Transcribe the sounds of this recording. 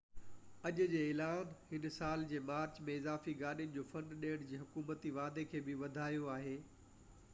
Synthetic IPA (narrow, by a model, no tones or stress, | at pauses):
ɐʄʊd͡ʑeːeːlaːnhɪnsaːld͡ʑeːmaːɾt͡ɕmẽɪzaːfiɡaːɗiʊnɪ̆d͡ʑoːfɐ̃ɳɖɗeːəɽ̃d͡ʑiːɦʊkuːmət̪iʋaːd̪ekʰeːbɪʋɐd̪ʱaːijoaːɦeː